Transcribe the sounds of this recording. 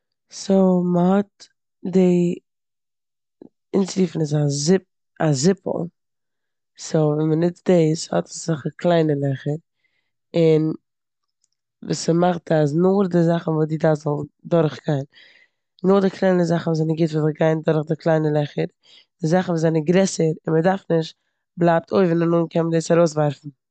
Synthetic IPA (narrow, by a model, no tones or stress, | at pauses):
soməhɔt̚ | dɪ | ɪnt͡sliːfn̩ɪs̬az | azɪpl̩ˠ | sovɛnmənɪtdeɪshɔ̰tə̥sz̥aχəkʰlˠaɪnəlˠɛχəɾ | ɪn | vṵːsəmaχtas̬nʊɾdɪzaχn̩vuːsdiːdaːzɔlˠndʊɾχɡ̥aɪn | nʊːχdɪkʰlˠaɪnəzaχn̩vuːzanɪɡɪtvuːzɪɡaɪndʊɾχdɪklˠaɪnəlˠɛχəɾ | d̥ɪzaχn̩vuːzanɪɡɾɛsəɾɪnmədaɾfnɪʃt | blˠaːp̚tʰoɪvnanuːnkʰɛmədeːsaɾoʊsvaɾfn̩